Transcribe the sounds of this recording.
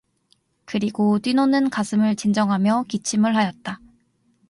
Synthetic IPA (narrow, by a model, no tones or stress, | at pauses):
kɯɾiɡot͈winonɯnkasʰɯmɯɭt͡ɕind͡ʑʌŋɦamjʌkit͡ɕʰimɯɭɦajʌt̚t͈a